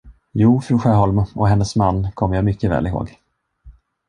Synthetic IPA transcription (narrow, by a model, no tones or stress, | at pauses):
juːfɾʉːɧæːɦɔlməɔɦɛnːəsmanːkʰɔmːəjaːmʏkːəvɛ̰ːlɪɦo̰ːɡ